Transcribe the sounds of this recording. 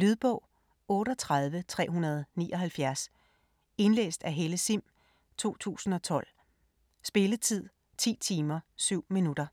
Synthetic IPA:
lyð̞ˠb̥ɔ̽ʊ̰ | ɔ̽ːɾ̥ɒt͡sʰʁað̞ˠʋət͡sʰʁɛ̰ːɦunɐð̞ˠnḭːʔɒ̽ɦælfjæɐs | e̝nlḛːsd̥æɦeləsim̰ | t͡sʰo̝̰ːt͡sʰṵːsn̩ɒ̽t͡sʰɒ̽l̰ | sb̥e̝lət͡sʰið̞̰ˠ | t͡sʰḭːt͡sʰiːmɐsyʊ̰minudɐ

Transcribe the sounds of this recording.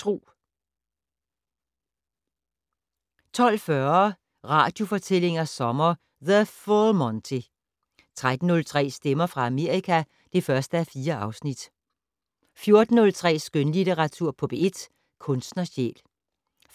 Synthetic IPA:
t͡sʰʁṵː | t͡sʰɒ̽l̰fɶɐ | ʁɑ̰̈ːd̥jo̝fɒ̽t͡sʰel̰e̝ŋɐsɒ̽mɐ | ðəfolmɒnt͡sʰe | t͡sʰʁad̥n̩ːɔ̽lt͡sʰʁɛ̰ːsd̥emɐfʁɑ̈æme̝ɐ̰ʁikʰæ | d̥e̝fɶɐsd̥əæfiːɐɑ̈ʊsnid̥ | fjo̝ɐd̥n̩ːɔ̽lt͡sʰʁɛ̰ːsɡ̥ønlid̥eʁɑ̈t͡sʰuɐ̰pʰɒ̽b̥e̝e̝d̥ | kʰɔ̽nsd̥nɐɕḛːl

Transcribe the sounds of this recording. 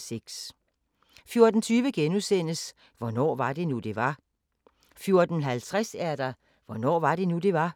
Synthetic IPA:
seɡ̥s | fjo̝ɐd̥n̩t͡sʰyːʋəɡ̥enusen̰əs | ʋɒnɒ̰ːʋɑ̈d̥e̝nud̥e̝ʋɑ̈ | fjo̝ɐd̥n̩ɦælt͡sʰʁasæɐd̥ɑ̈ | ʋɒnɒ̰ːʋɑ̈ɾ̥e̝nud̥e̝ʋɑ̈

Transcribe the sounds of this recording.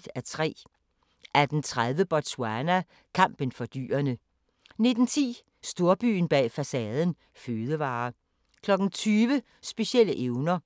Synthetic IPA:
d̥æɐt͡sʰʁɛ̰ː | ʔæɐd̥ent͡sʰʁaðˠʋəb̥ɒsʰuænæ | kʰɑ̈m̰b̥ənfɒ̽d̥y̰ːɐnə | ne̝d̥n̩t͡sʰḭː | sd̥o̝ɐb̥y̰ːn̩b̥ɛ̰ːfæsɛːð̞ˠən̩ | føːðˠəʋɑ̈ː | kʰlɒ̽ɡ̥n̩t͡sʰyːʋə | sb̥e̝ɕiel̰əʔeʊnɐ

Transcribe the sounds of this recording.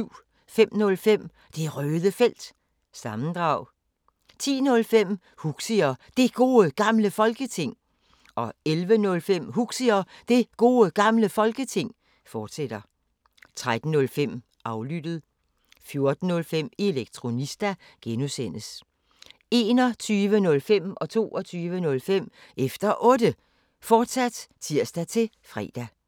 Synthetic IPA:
ʊ̰ | fem̰nɔ̽lfem̰ | d̥e̝ʁœːðˠəfel̰d̥ | sɑ̈mn̩d̥ʁɑ̈ʊ | t͡sʰḭːnɔ̽lfem̰ | huɡ̥siɐd̥e̝ɡ̥o̝ːəɡ̥ɑ̈mləfɒ̽lɡ̥ət͡sʰe̝ŋ̰ | ɒ̽elʋənɔ̽lfem̰huɡ̥siɐd̥e̝ɡ̥o̝ːəɡ̥ɑ̈mləfɒ̽lɡ̥ət͡sʰe̝ŋ̰ | fɒːd̥sed̥ɐ | t͡sʰʁad̥n̩ːɔ̽lfem̰ | ɑ̈ʊlyd̥ð̩ˠ | fjo̝ɐd̥n̩ːɔ̽lfem̰e̝leɡ̥̚t͡sʰʁo̝nisd̥æ | ɡ̥enusen̰əs | e̝ːnɒ̽t͡sʰyːʋənɔ̽lfem̰ʔɒ̽t͡sʰo̝̰ːʔɒt͡sʰyːʋənɔ̽lfem̰efd̥ɐʔɔ̽ːd̥ə | fɒːd̥sæd̥t͡sʰiɐ̰sd̥æt͡sʰe̝ | fʁɛ̰ːd̥æ

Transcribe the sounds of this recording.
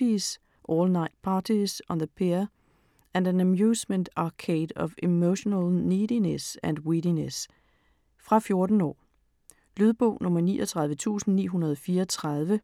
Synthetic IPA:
is | ʔɔːlnɑ̈ɪd̥̚pʰɑdʰisɒnðəpʰeɐ | ʔæ̃ndænæmjuːsmənd̥ɑ̈kʰeːd̥ɒ̽fimoʊɕonəlˠniːdinesæ̃nd̥wiɾines | fʁɑ̈fjo̝ɐd̥n̩ɒ̰ː | lyðˠb̥ɔ̰ʊ̰nɔ̽mɐnḭːʔɒt͡sʰʁɑ̈ð̞ˠʋət͡sʰṵːsn̩nḭːɦunɐð̞ˠɒ̽fiːɐɒt͡sʰʁɑð̞ˠʋə

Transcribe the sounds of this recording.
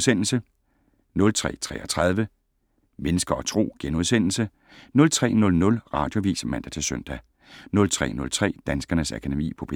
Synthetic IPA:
sen̰l̩sə | nɔ̽lt͡sʰʁɛ̰ːt͡sʰʁɛ̰ːɒt͡sʰʁɑð̞ˠʋə | menəsɡ̥ɐɒ̽t͡sʰʁo̝̰ːɡ̥enuð̞ˠsen̰l̩sə | nɔ̽lt͡sʰʁɛ̰ːnɔ̽lnɔ̽lʁɑ̈ːd̥jo̝ʋḭːsmæn̰d̥æt͡sʰe̝søn̰d̥æ | nɔ̽lt͡sʰʁɛ̰ːnɔ̽lt͡sʰʁɛ̰ːd̥ænsɡ̥ɐnəsækʰæd̥emḭːpʰɒ̽pʰe

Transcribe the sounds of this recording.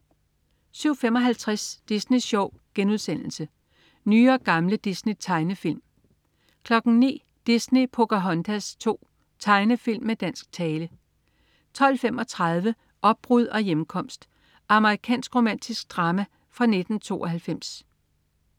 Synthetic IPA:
syʊ̰fem̰ɒ̽ɦælt͡sʰʁasd̥isniɕɒʊ̰ɡ̥enuðˠsen̰l̩sə | nyːɒ̽ɡ̥ɑ̈mləd̥isnit͡sʰɑ̈ɪnəfil̰m | kʰlɒ̽ɡ̥n̩nḭː | d̥isnipʰo̝ɡ̥æɦɒ̽nd̥ʰæst͡sʰo̝̰ː | t͡sʰɑ̈ɪnəfil̰mːed̥æn̰sɡ̥̚t͡sʰɛːlə | t͡sʰɒ̽l̰fem̰ɒ̽t͡sʰʁɑ̈ð̞ˠʋə | ʔɒ̽b̥̚ʁuð̞̰ˠɒ̽jem̩kʰɒ̽m̰sd̥ | ʔɑ̈məʁikʰɛ̰ːnsɡ̥ʁo̝mæn̰d̥isɡ̥̚d̥ʁɑ̈ːmæ | fʁɑ̈ne̝d̥n̩t͡sʰo̝̰ːɒ̽hælfem̰s

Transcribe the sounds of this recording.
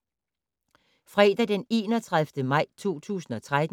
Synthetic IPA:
fʁɛːd̥æd̥ene̝ːnɒt͡sʰʁaðˠfd̥əmɑ̈ɪ̰t͡sʰo̝̰ːt͡sʰṵːsn̩ɒ̽t͡sʰʁad̥n

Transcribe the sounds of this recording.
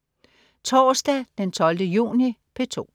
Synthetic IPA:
t͡sʰɒːsd̥æd̥ent͡sʰɒ̽ld̥əjṵːnipʰe̝t͡sʰo̝̰ː

